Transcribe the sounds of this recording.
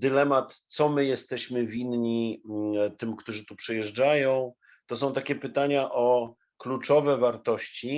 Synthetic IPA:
d̪ɘlɛmat̪sɔmɘjɛst̪ɛɕmɘvʲinɲi | t̪ɘmkt̪uʐɘt̪upʂɛjɛʐd͡ʐajɔ̃w̃ | t̪ɔs̬ɔ̃w̃t̪akʲɛpɘt̪aɲaʔɔ | klut͡ʂɔvɛvaɾt̪ɔɕt͡ɕi

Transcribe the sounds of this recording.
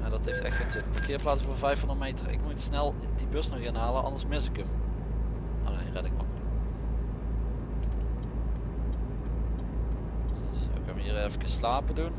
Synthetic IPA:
ɛndɑtɦeftɛ̰xtənzəpɑkɪːplaːsəvoːɹvɛjfɑndətmejtəɪ̰kmutsnɛlˠ | dibøsnɔxɪnɦaːləʔɑ̰ndəɹsmɪsɪkəm | ʔo̰nejrɛdɪkmɑ̰kəl | so̰kənʋəiːrejvəkəslaːpədun

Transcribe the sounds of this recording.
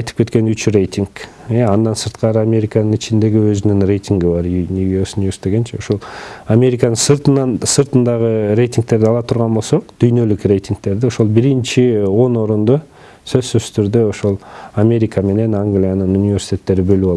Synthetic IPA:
ɑjt̪ɯ̥pke̞t̪ke̞nyt͡ʃrʲe̞jt̪ʲiŋk | eɑnd̪ɑnsɯɾt̪qɑɾɯamʲe̞ɾʲikanɯnit͡ʃind̪e̞ɡiøzynyŋrʲe̞jt̪ʲiŋɡibɑɾnʲuɡʲesunʲivʲest̪eɡent͡ʃeoʃolˠamʲe̞ɾʲikanɯsɯɾt̪nɑnsɯɾt̪ɯnd̪ɑʁəɾe̞jt̪ʲiŋk̚t̪e̞ɾd̪ɪɑlˠɑt̪ʰuɾʁɑnbo̞lˠso̞qd̪̥yjnø̞lykrʲe̞jt̪ʲiŋk̚t̪e̞ɾd̪ɪo̞ʃo̞lˠbiɾint͡ʃio̞no̞ɾund̪o | sø̞zsyzt̪ʰyɾd̪øo̞ʃolˠamʲe̞ɾʲikame̞ne̞naŋɡlʲijanɯnunʲivʲe̞ɾsʲi̥t̪ʲe̞t̪ːe̞ɾibø̞lypɑlˠ

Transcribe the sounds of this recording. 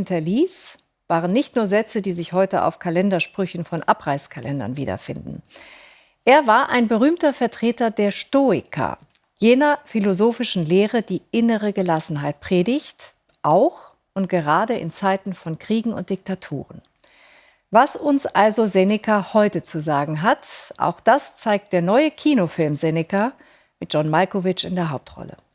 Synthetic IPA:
ntɐliːs | v̥aːʁənːɪçtnuːɐzɛt͡sədiːzɪçhɔʏtəʔa̰ʊfkʰalɛndɐʃpʁ̥ʏçn̩fɔnʔapʁ̥aɪskʰalʔɛndɐ̰nvḭːdɐ̰fɪ̰ndn̩ | ʔeːɐvaːɐʔa̰ɪnbəʁyːmtɐfɛɐtʁ̥eːtɐdeːɐʃtoːɪ̰kʰa̰ | jeːnɐfilozoːfɪʃn̩leːʁədiːʔɪnəʁəɡəlasn̩ɦaɪt̚pʁ̥eːdɪçt | ʔaʊx | ʔʊntɡ̥əʁaːdəʔɪ̰nt͡saɪtn̩fɔnkʁ̥iːɡŋ̩ʊ̰nt̚d̥ɪk̚tʰatʰṵːʁən | vasʊnsʔalzozɛnɪkʰahɔʏtət͡suzaːɡŋ̩ɦatʔa̰ʊxd̥ast͡saɪk̚t̚d̥eːɐnɔʏəkʰiːnofɪlmzɛnɪka | mɪt̚d͡ʒ̥ɔnmalkovɪt͡ʃɪndeːɐɦaʊp̚tʁɔ̰lə̰

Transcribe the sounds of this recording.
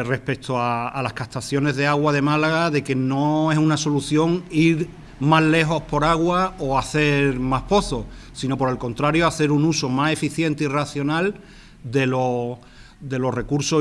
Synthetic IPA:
re̞hpe̞k̚t̪ʰoaːlahkaht̪aθjo̞ne̞zðe̞aɣwað̞e̞malaɣaðe̞ke̞no̞e̞sunaso̞luθjo̞ŋiɾ | maɦle̞ɦo̞hpo̞ɾaɣwaoaθe̞ɾɾmahpo̞θosino̞po̞ɾe̞lko̞nt̪ɾaɾjoaθe̞ɾunuso̞mase̞fiθje̞nt̪eiraθjo̞nal | d̪e̞lo̞ | d̪e̞lo̞re̞kuɾso

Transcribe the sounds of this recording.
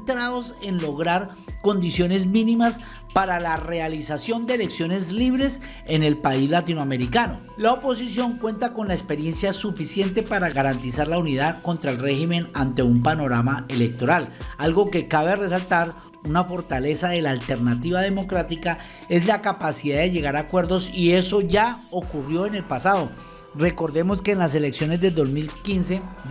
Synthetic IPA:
t̪ɾaðo̞se̞nlo̞ɣɾaɾ | ko̞nd̪isjo̞ne̞zmĩnimas | paɾalare̞alisasjo̞nd̪eele̞ksjo̞ne̞zliβɾe̞s | e̞ne̞lpaizlat̪inoame̞ɾikano̞̰ | laopo̞s̬isjo̞ŋkwe̞nt̪ako̞nlaespe̞ɾje̞nsjasufisje̞nt̪̬e̞paɾaɣaɾant̪isaɾlauniðako̞nt̪ɾaelre̞ximẽ̞nant̪e̞umpano̞ɾamae̞le̞k̚t̪o̞ɾalalɡo̞ke̞kaβere̞s̬alt̪aɾ | unafo̞ɾt̪ale̞saðe̞laːlt̪e̞ɾnat̪iβað̞e̞mo̞kɾat̪ika | e̞zlakapasiðaðe̞ʝe̞ɣaɾakwe̞ɾd̪o̞sie̞soʝao̞kurjo̞e̞ne̞lpasaðo̞ | re̞ko̞ɾðe̞mo̞ske̞ːnlas̬e̞le̞ksjo̞ne̞zd̪ed̪o̞zmilkinse̞

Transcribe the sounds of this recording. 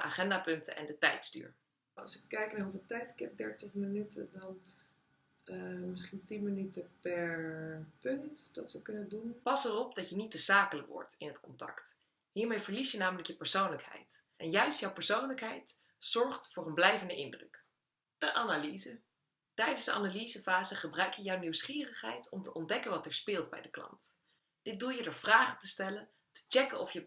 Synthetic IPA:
əʔaχɛndaːpɵntə̰ʔɛ̰ndətɛ̰jtsty̰ːɹ | ɑ̰sɪkːɛjknaɹɦuvɪlˠtɛjtɪ̥kɦɛp̚dɛɹtəχmənytə̰dɑn | mɪsχintinmənytəpɛɹpɵntd̥ɑtʋəkɵnədunpɑsərɔp̚dɑtjənitːəzaːkələkʋɔ̰ɹtɪnɦətkɔntɑ̰kt | ɦiːɹmejvəɹlisjənaːmələkjəpəɹsownləkɦɛ̰jtʔɛnjœɥstjɔwpəɹsownləkɦɛjt | zɔɹχtfʊːrənblɛjvəndəʔɪndrɵ̰k | d̥əʔanalizə | tɛjdənsdəɑ̰nalizəfaːzəχəbrœɥkjəjawniwsχiːrəχɦɛ̰jtɔmtəʔɔndɛkənʋɑtɛɹspɪːlˠdbɛ̰jdəklɑ̰nt | d̥ɪt̚dulˠjədəɹv̥raːχətəstɛlən | tə̥t͡ʃɛkənɔfjə

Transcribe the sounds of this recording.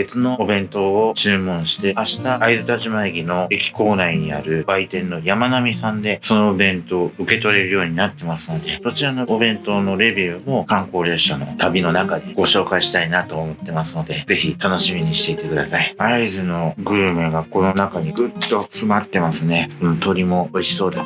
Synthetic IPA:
be̞t͡sɨno̞obẽ̞nt̪o̞ːt͡ɕɨːmõ̞ɰ̃ɕi̥t̪e̞aɕi̥t̪aaizɨt̪aʑimaiɡʲino̞ekʲi̥ko̞ːnaiɲ̟ia̰ɾɯ̟b̥ait̪ẽ̞nːo̞jamanamʲisãnd̪e̞so̞no̞bẽ̞nt̪o̞ːɯ̟ke̞t̪o̞ɾe̞ɾɯ̟jo̞ːɲ̟inat̪ːe̞masɨno̞d̪e̞d̪o̞t͡ɕiɾano̞ːbẽ̞nt̪ono̞ɾe̞bʲiɯmo̞kãŋko̞ːɾe̞ɕano̞̰t̪abʲino̞nakad̪e̞ɡ̥o̞ɕo̞ːkaiɕi̥t̪ainat̪o̞ːmo̞t̪ːe̞masɨno̞d̪e̞ze̞çit̪ano̞ɕimʲiɲ̟iɕi̥t̪e̞it̪e̞kɯ̟d̪asaiaizɨno̞ɡɯ̟ːmeɡako̞no̞nakaɲ̟iɡɯ̟t̪ːo̞sɨmat̪ːe̞masɨne̞ɯ̟̃t̪o̞ɾʲimo̞oiɕi̥so̞ːd̪a

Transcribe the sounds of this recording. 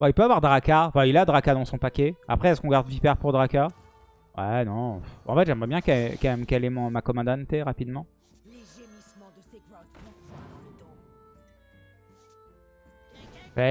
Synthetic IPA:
bɛ̃ipøavwaʁd̪ʁakaɑ̃fɛ̃ilad̪ʁakad̪ɑ̃sɔ̃pakʲea̰pχɛɛskɔ̃ɡaʁd̪vipɛʁpuʁd̪ʁaka | wɛnɔ̃fɑ̰̃fɛt̪ʒɛmʁɛbjɛ̃kɛkɛɛmkɛlɛmɔ̃makɔmɑ̃d̪ant̪eʁapid̪mɑ̃ | im̃ | wɛ

